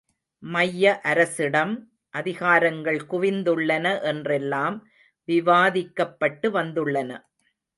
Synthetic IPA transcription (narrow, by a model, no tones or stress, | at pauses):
mɐjːɐʔɐɾɐsɪɽɐm | ʔɐðɪɣaːɾɐŋɡɐɭkʊʋɪnd̪ɯɭːɐnɐʔɛndrɛlːaːm | ʋɪʋaːðɪkːɐpːɐʈːɯʋɐnd̪ɯɭːɐnɐ